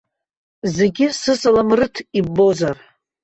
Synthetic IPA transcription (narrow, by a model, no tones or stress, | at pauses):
ze̞ɡʲɪsɨsalamrɨtʰibːo̞zar